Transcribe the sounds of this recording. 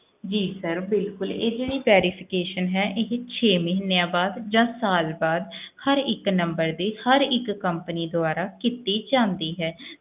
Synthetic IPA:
d͡ʒiːsəɾbɪlkʊleːd͡ʒeɽiːpɛːɾɪpʰɪkeːʃənɦɛːʔɪɦt͡ʃʰeːməɦɪnejãːbaːd̪d͡ʒãːsaːlbaːd̪həɾɪknəmbəɾd̪iːhəɾɪkːəmpəniːd̪ʊaːɾaːkit̪iːt͡ʃãːnd̪iːɦɛː

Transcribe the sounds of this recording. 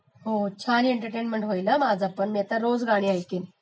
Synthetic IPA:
ɦot͡ɕʰaneɳʈəɾʈenmeɳʈɦojlamad͡zʱapəɳmiat̪aɾod͡zɡʱaɽ̃iːajkin

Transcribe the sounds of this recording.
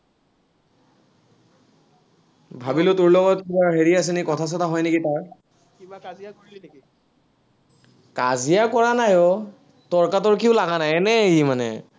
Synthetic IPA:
bʱabilʊtʊɹlɔɡɔt̚kibaɹɦeɹias̬ɛnikɔtʰas̬ɔtaɦɔjnekitaɹ | kibakazijakoɹilineki | kazijakɔɹanajɔ | tɔɹkatɔɹk̬iʊlaɡanajɛnɛimanɛ̰

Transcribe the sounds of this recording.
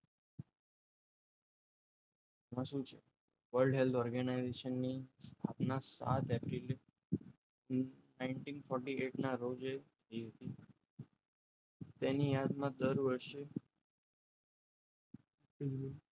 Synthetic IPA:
ʋəʃũt͡ʃʰe | ʋəɾɖɦelt̪ʰɔɾɡənaizeʃənːist̪ʰapnasa̰t̪epɾil | naɪɳʈinfɔɾʈieʈnaɾod͡ʒet̪ʰəiɦət̪i | t̪enijad̪mãd̪əɾʋəɾʃe

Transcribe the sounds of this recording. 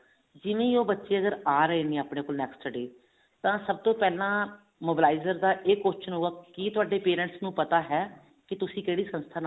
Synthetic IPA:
d͡ʒɪʋẽːioːbətːʃeːəɡəɾaːɾəeːnẽːaːpɽeːkoːlnɛːksʈəɖeː | t̪ãːsəb̚t̪õːpɛːlãː | moːbɪlaːɪzəɾd̪aːʔeːkːoːt͡ʃənɦʊaːkiːt̪ʊaːɖeːpeːɾə̃ɳʈsnũːpət̪aːɦɛː | kɪt̪ʊsĩːkeːɽiːsə̃nst̪ʰaːn

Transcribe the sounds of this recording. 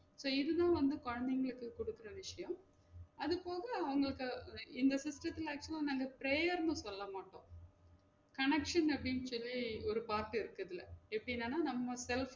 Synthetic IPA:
soːɪðɯðãːʋɐnd̪ɯkɔɻɐnd̪ɛŋɡɐɭɯkːɯkɔɽɯkːɯɾɐʋɪʂɐjɐ̃m | ɐðɯpoːɣɐɐʊŋɡɐɭɯkːɐɪnd̪ɐsɪsʈɾɐt̪ːɪlaːk̚t͡ʃʊlanɐːŋɡɐpɪɾeːjɐɾnɯ̃sɔlːɐmaːʈːõː | kɐɳɛkʂɐnɐpːɐɽɪnːsɔlːiɔɾɯpaːɾʈːɯɪɾɯkːɐðɪlɐ̰ɛpːɐɽɪnːaːnːaːnɐmːɐsɛlf

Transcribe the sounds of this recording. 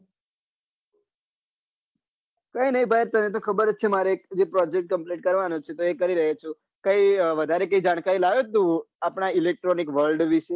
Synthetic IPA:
kəjnəĩbʱajɾt̪ənet̪̬õkʰəbəɾət͡ʃʰemaɾeek̚d͡ʒepɾɔd͡ʒek̚ʈ̚kəmpliʈ̚kəɾʋanũt͡ʃʰet̪oekəɾiɾəɦet͡ʃʰo | kəiʋəd̪ʱaɾekəid͡ʒaɽ̃kaɾilaʋet̪u | apɳ̃ailek̚ʈɾɔnikʋəɾlɖʋiʃe

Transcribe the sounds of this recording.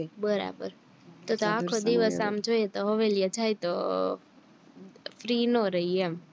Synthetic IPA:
bəɾa̰bə̰ɾ | t̪ot̪oakʰod̪iʋəsamd͡ʒojet̪oɦəʋelijed͡ʒajt̪o | fɾiːnoɾəɦiem

